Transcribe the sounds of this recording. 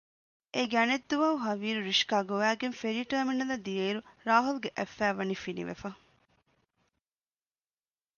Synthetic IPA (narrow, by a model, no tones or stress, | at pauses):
eɡæned̪ːuʋɐuɦɐʋiːɾuɾiʃkaːɡoʋæːɡenfeɾiːʈɐːminːɐlɐd̪ijeːɾuɾaːɦuluɡeʔæfːæːʋɐnifinḭʋḛfɐ